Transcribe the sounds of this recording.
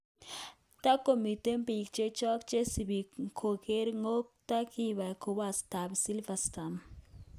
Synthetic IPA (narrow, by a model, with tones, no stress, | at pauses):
t̪a˦kːo˨mi˨t̪e˦mpi˨k̚t͡ʃe˦t͡ʃɔ˦kt͡ʃe˦si˨bi˨kʰo˨ke˦ɾŋo˦k̚t̪a˦ki˦βa˨ko˨wa˨st̪a˨bsi˦lfast̪am